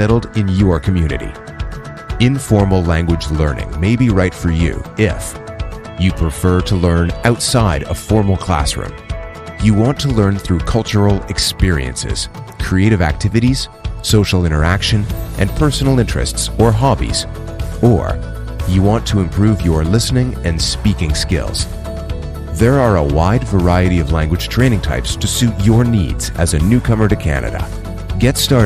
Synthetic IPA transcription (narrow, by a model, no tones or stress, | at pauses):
sɛɾl̩ˠdɪ̃njə˞kʰɨmjʉnɨ̰ɾḭ | ɪ̃ɱfɔɹml̩ˠlæ̃ŋɡwɨd͡ʒlɜ̰̃˞nɪ̰̃ŋmeɪbiɹaɪtfə˞jʉ̰ɪf | jɨpʰɹ̥ɨfɜ˞ɾəlɜ̃˞nʔaʊtsaɪɾəfɔɹml̩ˠkʰl̥æ̰sɹʉ̰̃m | jɨwɑ̃ntʰəlɜ̃˞nθɹʉkʰʌlˠt͡ʃə˞l̩ˠɨkspɪɹḭɨ̰̃nsɪ̰z̥kʰɹ̥ieɪɾɨvæ̰k̚tʰɪvɨɾiz̥soʊʃl̩ˠɪ̃ɾ̃ə˞ækʃɨ̃nʔɨ̃npʰɜ˞sn̩l̩ˠɪ̃nt͡ʃɹ̥ɨ̰stsə˞ɦɑbḭz̥ | ə̰˞ | jɨwɑ̃ntʰəɨ̃mpʰɹ̥ʉvjə˞lɪsnɪ̃ŋɨ̃nspikɪ̃ŋskɪ̰lˠz̥ | ðə˞ə˞ə̰waɪdvə˞aɪɨɾiʌvlæ̃ŋɡwɨd̥ʒ̥tʰɹ̥ẽɪnɪ̃ŋtʰa̰ɪpstʰɨsʉt͡ʃə˞nḭdz̥ɨ̰zɨnʉkʰʌmə˞ɾɨkʰæ̰nɨ̰ɾɨ̰ | ɡɛtstɑ